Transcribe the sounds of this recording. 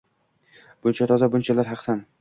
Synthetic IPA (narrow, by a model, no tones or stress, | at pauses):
b̥ʊnt͡ʃʰat̪ʰɒzabʊnt͡ʃʰalaɾɦɑqt̪an